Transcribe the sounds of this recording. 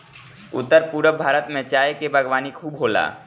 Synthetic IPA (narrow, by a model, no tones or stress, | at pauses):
ʊ̰t̪ːəɾpuɾəbʱaːɾət̪mẽt͡ʃaːjekebʱəɡʋaːnikʰuːbɦoːla̰ː